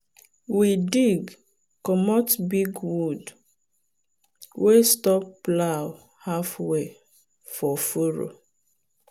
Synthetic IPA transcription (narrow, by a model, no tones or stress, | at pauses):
widiɡ | kɔmɔtbiɡwud | westɔpːlaw | hafwe | fɔfuɾo̰